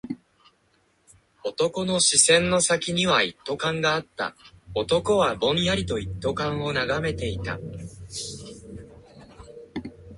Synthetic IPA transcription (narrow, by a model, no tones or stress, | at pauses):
o̞t̪o̞ko̞no̞ɕisẽ̞nːo̞sakʲiɲ̟iβait̪ːo̞kãŋɡaːt̪ːa̰o̞t̪o̞ko̞βabõ̞ɰ̃jaɾʲit̪o̞it̪ːo̞kãɰ̃o̞naɡame̞t̪e̞it̪a̰